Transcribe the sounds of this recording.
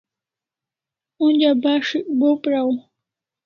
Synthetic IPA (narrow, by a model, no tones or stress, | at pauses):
ʊɲabaʂɪkbopɾaw